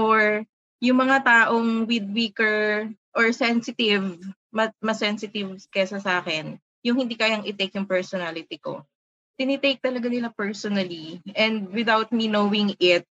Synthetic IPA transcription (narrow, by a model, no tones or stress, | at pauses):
ʔoɹ | jʊŋmɐŋat̪aːʔoŋwɪd̪̚wiːkɛɹ | ʔɔɹsɛnsɪt̪ɪv | mɐmɐsɛnsɪt̪ɪvkɛsɐsʔaːkɛn | jʊŋhɪnd̪iːkaːjaŋʔɪt̪ejkjʊŋpɛɹsɔnalɪt̪ɪko̰ | t̪ɪnɪt̪ejk̚t̪ɐlɐɡanɪlapɛɹsɔnɐliʔɛnd̪̚wɪd̪awt̪̚minowɪŋɪt̪̚